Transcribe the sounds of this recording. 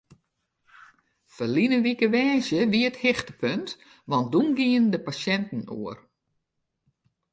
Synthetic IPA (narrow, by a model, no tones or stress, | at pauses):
fərlinəʋikəʋɛːzjəʋiəthɪxtəpʰønt | ʋɔnt̚dunɡiəndəpasɛntn̩ṵər